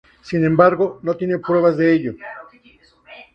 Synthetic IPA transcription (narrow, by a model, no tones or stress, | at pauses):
sinembaɾɡonot̪jenepɾeβazd̪eeʎo